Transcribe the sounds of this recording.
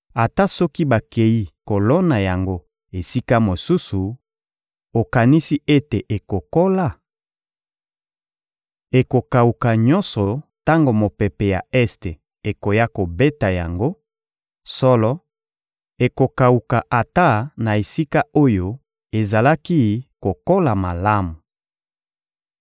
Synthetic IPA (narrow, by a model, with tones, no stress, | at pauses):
a˨ta˦sɔ˦ki˦ba˨ke˨ji˦ko˨lɔ˦na˨ja˨ŋɡo˦ | e˨si˦ka˦mo˨su˦su˨ | o˨ka˨ni˦si˦ʔe˦te˨ʔe˨ko˨ko˦la˦ | e˨ko˨ka˨u˨ka˨ɲɔ̃˦nsɔ˨ta˦ŋɡo˨mo˨pɛ˨pe˨ja˨ɛ˦ste˨ | e˨ko˨ja˦ko˨be˦ta˨ja̰˨ŋɡo˦ | sɔ˦lɔ˦ | e˨ko˨ka˨u˨ka˨ʔa˨ta˦na˨e˨si˦ka˦o˦jo˦ | e˨za˨la˦ki˦ko˨ko˦la˨ma˨la˦mu˨